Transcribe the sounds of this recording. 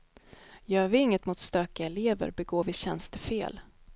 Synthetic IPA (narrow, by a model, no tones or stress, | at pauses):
jœːɾvɪɪŋːət̪mʊt̪st̪øːkɪaɛleːvə̰ɾbɛɡoːɾvɪɕɛnst̪ʰəfḛːl